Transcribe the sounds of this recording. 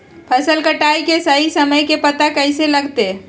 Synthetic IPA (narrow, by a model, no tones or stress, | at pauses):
pʰɐsəlkəʈaːjkesɐɦisɐməjkepɐt̪akɐiselɐɡt̪e